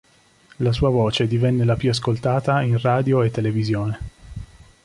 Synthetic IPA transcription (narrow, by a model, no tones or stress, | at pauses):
las̬uːavoːt͡ʃed̪ivɛnːelapjuaskolt̪aːt̪ainraːd̪joet̪ːelevizjoːne